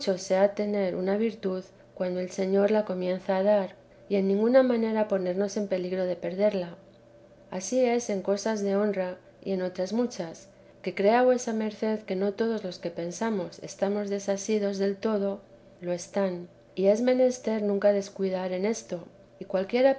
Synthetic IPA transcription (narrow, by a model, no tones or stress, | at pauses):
t͡ʃo̞se̞at̪e̞ne̞ɾṵnaβ̞iɾt̪uð | kwand̪oe̞lse̞ɲo̞ɾlako̞mjẽ̞nθaːðaɾ | ie̞nːĩŋɡunamãne̞ɾapo̞ne̞ɾno̞se̞mpe̞liɣɾo̞ð̞e̞pe̞ɾðe̞ɾla | asie̞se̞ŋko̞sazðe̞o̞nra | ḭe̞no̞t̪ɾazmut͡ʃas | ke̞kɾe̞aβwe̞same̞ɾθe̞ðke̞no̞t̪o̞ð̞o̞zlo̞ske̞pe̞nsamo̞se̞̰st̪amo̞zðe̞sasið̞o̞zðe̞lt̪o̞ð̞o̞ | lo̞e̞st̪an | ie̞zmẽ̞ne̞st̪e̞ɾnũŋkaðe̞skwiðaɾe̞ne̞st̪o̞ | ikwalkje̞ɾa